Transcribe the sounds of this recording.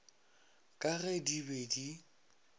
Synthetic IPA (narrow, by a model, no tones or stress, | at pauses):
kʼaɣɛdibedi